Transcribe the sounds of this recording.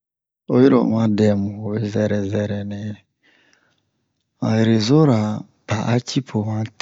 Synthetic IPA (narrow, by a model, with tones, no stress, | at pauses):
o˦ji˦ɾo̰˨mã˦dɛ˨mũ˨e˦zɛ˦ɾɛ˨zɛ˦ɾɛ˨ne˨˦˨ | mã̰˨je˨ɾe˨zo˦ɾa˨ | pa˨ʔa˦t͡ʃi˦pʰo˨mã˦t